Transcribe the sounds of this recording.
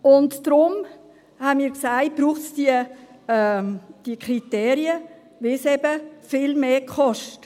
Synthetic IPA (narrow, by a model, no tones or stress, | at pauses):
ʊntd̥ɾʊm | hanmiːɾksaɪt̚b̥ɾuːχtsd̥iə | d̥iəkʰɾiteːɾiə | ʋɪsɛbəfɪlmeːkχɔʃt